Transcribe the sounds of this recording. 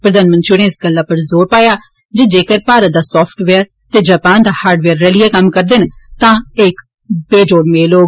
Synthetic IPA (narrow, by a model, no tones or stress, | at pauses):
pɾəd̪aːnmənt̪t͡ʃɾɪɽẽːɪsɡəlːaːpəɾzoːɾpaːjaː | d͡ʒeːd͡ʒeːkəɾpaːɾət̪̚d̪aːsɔːpʰʈʋeːəɾ | t̪eːd͡ʒaːpaːnd̪aːhaːɾɖʋeːɾːɛːlɪjaːkəmkəɾd̪ɪnt̪ãːɪk | beːd͡ʒoːɽmeːloː